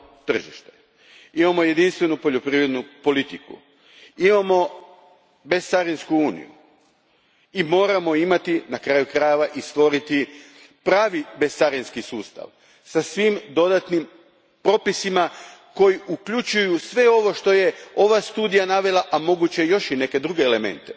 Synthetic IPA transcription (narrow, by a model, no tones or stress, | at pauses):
t̪r̩ʒḭʃt̪e | imamo̞je̞d̪inst̪ʋe̞nupo̞ʎo̞pɾiːʋɾe̞d̪nupo̞lit̪ikṵ | imamo̞ | be̞st̪saɾinskuuːnḭjṵ | imo̞ːɾamo̞imat̪inakɾaːjukɾajeʋaʔist̪ʋo̞ɾit̪i | pɾaːʋibest̪saɾinskisuːst̪a̰ʋ | sasʋimd̪o̞d̪at̪nim | pɾo̞pisimako̞jiʔukʎut͡ʃujusʋe̞o̞ʋo̞ʃt̪o̞je̞o̞ʋast̪uːd̪ijanaʋe̞laʔamo̞ɡut͡ɕejo̞ʃine̞ke̞d̪ɾuɡe̞ːle̞mḛnt̪e